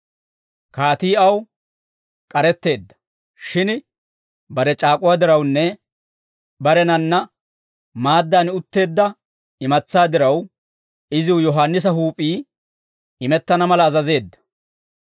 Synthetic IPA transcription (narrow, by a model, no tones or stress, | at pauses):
kaːt̪iːɐw | kʼɐɾɛt̪ːe̞ːd̪ːɐ̥ | ʃɪn | bɐɾɛt͡ʃʼaːkʼʊwaːd̪ɪɾɐwnːɛ | bɐɾɛnɐnːɐ | maːd̪ːaːnʊt̪ːe̞ːd̪ːɐ | ɪmɐt͡sːaːd̪ɪɾɐw | ɪzɪwjɔɦaːnːɪs̬ɐɦuːpʼiː | ɪmɛt̪ːɐnɐmɐlɐːzɐze̞ːd̪ːɐ̥